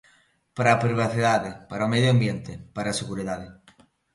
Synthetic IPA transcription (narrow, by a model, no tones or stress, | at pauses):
paɾapɾiβ̞aθiðaðepaɾaomeðjoambjẽnt̪epaɾaseɣuɾiðaðe